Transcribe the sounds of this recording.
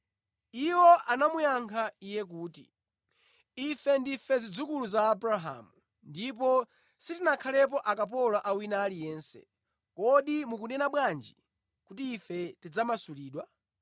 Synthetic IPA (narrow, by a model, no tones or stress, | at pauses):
iwɔʔanamujaŋkʰaijɛk̬uːtḭ | ifɛndifɛzid͡zukuluzaːbɾaɦa̰mu | ndipɔ | sitinakʰalɛp̬ɔʔakap̬ɔlaʔawinaːlijɛːnsɛ̰ | kɔɗimukunɛnaɓwand͡ʒi | kutiːfɛtid͡zamasuliːɗwa